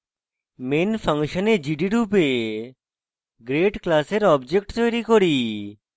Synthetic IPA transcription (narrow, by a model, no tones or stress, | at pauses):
menpʰəŋʃɔned͡ʑiɖiɾupe | ɡɾeʈklaseɾɔbd͡ʑek̚ʈt̪ojɾikoɾi